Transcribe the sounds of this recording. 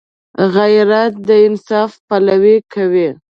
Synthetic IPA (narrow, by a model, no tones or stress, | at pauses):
ɣajɾat̪̚d̪əɪnsɑfpalawikʰawi